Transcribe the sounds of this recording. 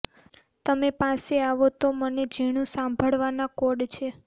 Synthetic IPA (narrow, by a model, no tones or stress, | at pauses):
t̪əmepaseaʋot̪oməned͡ʒiɽ̃ũsãmbʱəɭʋanakoɖt͡ʃʰe